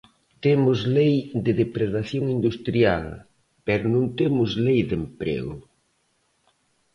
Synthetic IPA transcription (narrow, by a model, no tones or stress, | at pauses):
t̪emʊzlejðɪðepɾeðaθjoŋind̪ust̪ɾjal | pɛɾonũnt̪emʊzlejðempɾḛɣʊ̰